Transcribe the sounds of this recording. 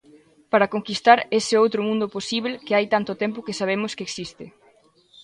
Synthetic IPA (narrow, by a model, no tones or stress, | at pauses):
paɾɐkoŋkist̪aɾesɪowt̪ɾʊmũnd̪ʊposiβ̞lkɪajt̪ant̪ʊt̪ɛmpʊkɪsaβ̞emʊskeksist̪ɪ